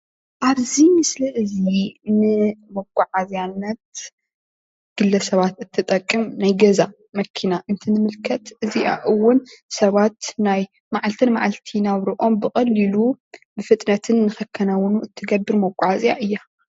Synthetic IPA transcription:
ʔaβzimɨslɐʔɨzinɨmɐkʷʼːʊʕazjanːɐt̪̚ | ɡ̥ɨlːɐsɐβat̪ɨt̪ʰːɨt̪ʼɐkʼːɨmnajɡɐza | mɐkʰinaʔɨnt̪ʰɨnɨmɨlkʰɐt̪ʔɨziʔa̰ʔɨwːʊnsɐβat̪naj | maʕalt̪ʰɨnmaʕalt̪ʰinaβɾiʔo̞mbɨkʼɐlːilubɨfɨt̪ʼnɐt̪ʰɨnːɨxɐkʰːɐnawnuʔɨt̪ʰːɨɡɐbːɨɾmɐkʷʼːaʕazʼja̰ʔɨjːa

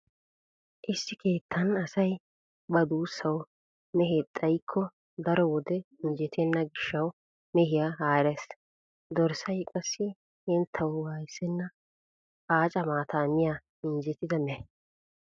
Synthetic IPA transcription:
ʔɪsːɪke̞ːt̪ʰːɐnɐsɐj | bɐd̪uːsːɐw | mɛɦet̪ʼːɐjkʰːɔ | d̪ɐɾɔwɔd̪ɛɪnd͡ʒɛt̪ʰɛnːɐɡɪʃːɐw | mɛhɪjaɦaːɾɛs | d̪ɔɾsɐjkʼɐsːɪ | hɪnt̪ʰːɐwwaːjɪsɛnːɐ | aːt͡ʃʼɐmaːt̪ʰaːnɪja | ɪnd͡ʒɛt̪ɪd̪ɐmɛ

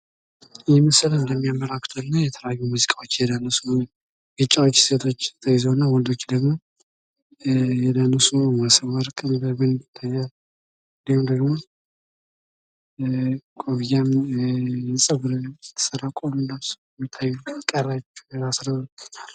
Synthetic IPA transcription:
ɨjɛməsɨlələmːijamːəlakʰʼːt̪ʰoɨnːajɛt̪ʰələjajːumuzikʼawo̞t͡ʃːjɛd̪anəsu | ɡɨt͡ʃʼːawot͡ʃːse̞t̪ʰo̞t͡ʃːt̪ʰəjɪzəwnːawɔld̪ot͡ʃːd̪əɡmo̞ | jɛd̪anəsuməsəwəɾkʼɨnbəbɨnd̪ɪt̪ʰːajːalː | ɨnd̪ihumd̪əɡmo̞ | kʼoβjam | ɛsʼəɡɾt̪ʰə̥sərːakʼomɨnd̪əmsə̥ | mɪt̪ʰːajːukʼːərːat͡ʃːɛ̥jasɾəβət͡ʃal

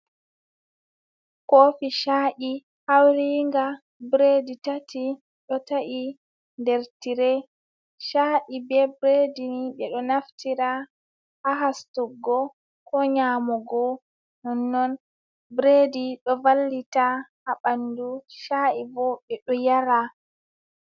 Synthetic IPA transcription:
kofiʃaʔi | hawɾiŋɡa | bɾeditatʰi | ɗɔtaʔi | ndɛɾtiɾɛ | ʃaʔibɛbɾediniɓɛɗɔnaftʰiɾa | haɦastuɡːɔ | kɔɲamɔɡɔ | nɔnːɔn | bɾediɗɔvalːitaʔaɓanduʃaʔibɔɓɛɗɔjaɾa

